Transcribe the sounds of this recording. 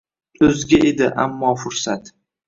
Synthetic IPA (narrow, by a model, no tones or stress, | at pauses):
ɵzɡʲaʔed̪ɪʔa̰mːɒːfʊɾsat̪